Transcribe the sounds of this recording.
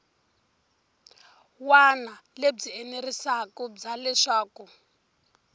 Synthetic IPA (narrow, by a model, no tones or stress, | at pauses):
wanaleb͡ʐienerisakɔb͡ʐalɛʂaːku